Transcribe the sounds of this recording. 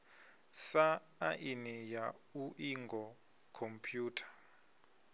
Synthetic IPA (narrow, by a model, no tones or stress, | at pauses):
saː | ʔinijauʔiŋɡɔ | kʰɔmpʰjuːtʰḁ